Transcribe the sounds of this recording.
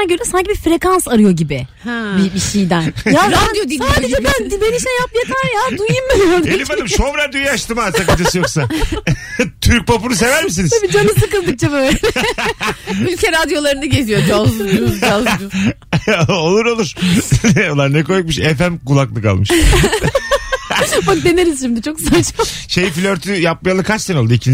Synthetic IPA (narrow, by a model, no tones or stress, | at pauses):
aɟøɾɛsaɲcibifɾe̞kansaɾɯjo̞ɟibɪhbibiʃijd̪ænjaɾad̪ijod̪ilijoieand̪id̪eniʃejap̚jet̪ʰaɾjaːd̪ujummaɾelʲipad̪ɯmʃovɾaɾd̪jyojaʃt̪ɯmasakat̪ʰesijoksa | t̪ʰyɾc̚papuɾuse̞væɾmis̬inizʰbid͡ʒanɯsɯkɯlˠd̪ɯk̚t͡ʃʰabøːlʲɛ | mylʲcʰʲeɾad̪jo̞lˠaɾɯnɯɟe̞zijod͡ʒalˠzuualˠʃu | olˠuɾo̞lˠuɾ̥ | olˠaɾnɛko̞juk̚mɯʃefæmkulˠaklˠɯka̰lˠmɯʃ | bak̚d̪eneɾizʃimd̪it͡ʃʰo̞ksat͡ʃaʃejifilʲøɾt̪ʰyjap̚majalˠɯkʰat͡ʃsenolˠd̪uicʰin